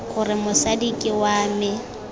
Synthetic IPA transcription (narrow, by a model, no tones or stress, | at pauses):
ɣʊrɪmʊsadikʼɪwaːmɪ